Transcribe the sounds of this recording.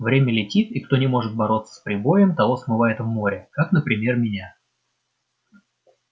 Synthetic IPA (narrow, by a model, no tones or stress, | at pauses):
vɾʲemʲəlʲɪtʲit̪ikt̪o̞nʲɪmo̞ʐɨt̪̚bɐɾo̞t̪sːə̥spɾʲɪbo̞jəmt̪ɐlosmɨvajɪt̪vmo̞ɾʲɪkaknəpɾʲɪmʲe̞rmʲɪnʲa